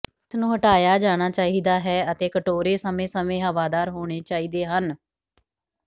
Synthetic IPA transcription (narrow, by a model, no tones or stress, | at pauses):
t̪nũːɦəʈaːjaːd͡ʒaːɽ̃aːt͡ʃaːiːd̪aːɦɛːət̪eːkəʈoːɾeːsəmẽːsəmẽːɦəʋaːd̪aːɾɦoːɽ̃eːt͡ʃaːiːd̪eːɦən